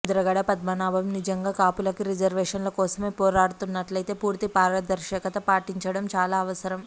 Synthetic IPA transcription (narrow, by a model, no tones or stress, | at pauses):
d̪ɾɐɡɐɽɐpɐd̪mɐnaːbʱɐmnid͡ʒɐŋɡaːkaːpulɐkiɾid͡ʒɐɾʋɛːʂɐnlɐkɔːsɐme̞ːpɔːɾaːɽut̪unːɐʈlɐjt̪e̞ːpuːɾt̪ipaːɾlɐd̪ɐɾʃɛːkɐt̪ɐpaːʈiɲt͡ʃɐɽɐmt͡ʃaːlaːɐʋɐsɐɾɐm